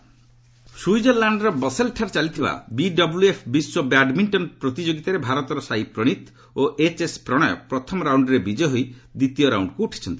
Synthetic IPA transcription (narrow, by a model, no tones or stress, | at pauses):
sujd͡ʒeɾlaɳɖɾɔbɔselʈʰaɾt͡ʃalit̪ʰiba̰biɖɔbuluepʰbiswɔbaɖmiɳʈɔnpɾot̪id͡ʒoɡit̪aɾebʱaɾɔt̪ɔɾɔsajpɾoɽ̃it̪ | oʔet͡ʃespɾɔɽ̃ɔjɔ̰pɾɔt̪ʰɔmɔɾawɳɖɾebid͡ʒɔɦojd̪it̪ijɔɾa̰wɳɖkuːʈʰi̥t͡ʃʰɔnt̪i